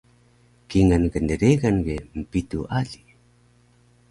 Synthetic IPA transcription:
kiŋanɡəndəɾeɡanɡem̩pituʔaɮi

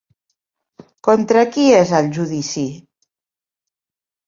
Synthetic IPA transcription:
kont̪ɾakiezəlʒuðisi

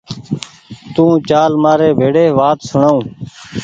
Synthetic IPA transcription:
t̪ũːt͡ʃaːlmaːɾeːbʱeːɽeːʋaːt̪səɳaːũː

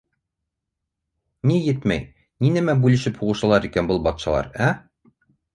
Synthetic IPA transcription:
nijɘt̪mæ̰j | ninæmæbʉlɘ̆ʃɘphuʁɤ̆ʃɤ̆lˠɑɾikænbɤlˠbɒt̪ʃɑ̰lˠɑ̰ɾæ

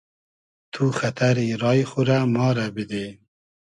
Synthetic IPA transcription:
t̪ʰuxat̪ʰaɾiɾɑːjxuɾamɑːɾabid̪e

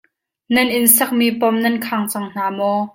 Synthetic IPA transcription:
nɐnʔɪnsɐk̚miːpɔmnɐnkʰaŋt͡sɐŋn̥aːmɔ

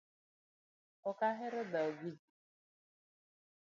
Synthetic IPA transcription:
ʊkaɦɪɾʊdaoɡid͡ʒi

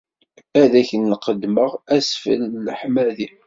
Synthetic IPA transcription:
æðæçənːqəd̪məʁæsfə̰lːħmæði

